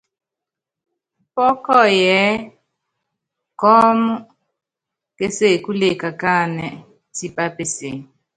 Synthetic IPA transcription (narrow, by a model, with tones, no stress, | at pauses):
pɔ˦kɔ˦˨jɛ˨˦ | kɔ˦mu˦ | ke˦se˦˨ku˦le˨ka˨ka˦˨nɛ˨ | si˦pʼa˦pe˨se˨